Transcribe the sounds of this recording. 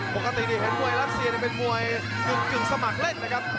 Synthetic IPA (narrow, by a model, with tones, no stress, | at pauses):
po˨˩ka˧t̪i˨˩diː˧˩ɦe˨˦nmu˧əjla˦˥t̪̚si˧ni˧˩pe˧nmu˧˩əj | ku˨˩t͡ɕɯ˨˩ŋ̚sa˧ma˨˩k̚le˥˩nːa˦˥kʰa˦˥p̚